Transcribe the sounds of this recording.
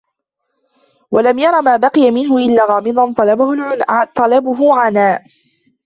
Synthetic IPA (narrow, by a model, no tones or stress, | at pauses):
walamjɑɾˤɑmaːbɑqɨjamɪnɦʊʔɪlːaːɣɑːmɨd̪ˤɑnt̪ˤɑlɑbʊhʊlʕʊt̪ˤɑlɑbʊɦʊʕanaː